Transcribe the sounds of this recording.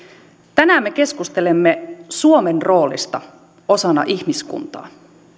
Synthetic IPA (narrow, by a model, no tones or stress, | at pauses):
t̪ænæːmːe̞ke̞skust̪e̞lemːesuomenro̞ːlḭst̪ɑ | o̞sɑnɑ̰ʔiçmiskṵnt̪ɑ̰ː